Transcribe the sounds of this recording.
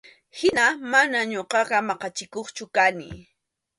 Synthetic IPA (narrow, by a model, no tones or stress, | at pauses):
hɪnamanaɲoɢɑɢɑmɑqɑt͡ʃɪkoχt͡ʃʊkanɪ̰